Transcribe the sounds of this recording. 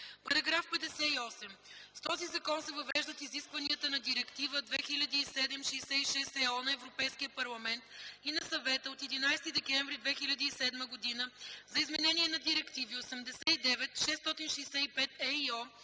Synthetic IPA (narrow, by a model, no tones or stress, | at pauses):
pɐɾɐɡɾafpɛd̪ɛsɛiɔsɛm | st̪ɔzizɐkɔnsɛvɐvɛʒd̪ɐt̪iziskvɐniət̪ənɐd̪iɾɛkt̪ivəd̪vɛxilʲɐd̪iːsɛd̪ɛmʃɛsɛiʃɛst̪ɛɔnɐɛvɾopɛjskiəpɐɾlˠɐmɛnt̪inɐsɐvɛt̪əot̪ɛd̪inajst̪id̪ɛkɛɱvɾid̪vɛxilʲɐd̪əisɛd̪məɡod̪inəzɐizmɛnɛniɛnɐd̪iɾɛkt̪iviosɛmd̪ɛsɛid̪ɛvɛt̪ʃɛst̪ɔt̪inʃɛjsɛipɛt̪ɛiɔ